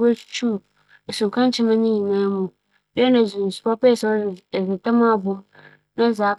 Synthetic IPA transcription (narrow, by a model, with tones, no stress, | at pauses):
o˦t͡ʃt͡ʃu˦˨ | e˨sʊ̃˨kã˦n˦t͡ʃɪ˦mã˦nĩ˦ji˨nã˦mũ˨ | bɛ˦nã˨zɪ̃˨n˨spa˦pa˦˨sɔ˦˨zɪ˨ta˦mã˦˨bʊ̃˦m | nã˦zaː˨˦